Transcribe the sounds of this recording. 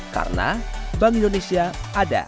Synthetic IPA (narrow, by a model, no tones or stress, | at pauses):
ka̰rna̰baŋĩndonesiaada̰